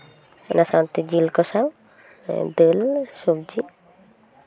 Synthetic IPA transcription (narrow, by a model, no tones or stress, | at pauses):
nasant̪id͡ʑilkɔʃaw | d̪elʃubd͡ʑi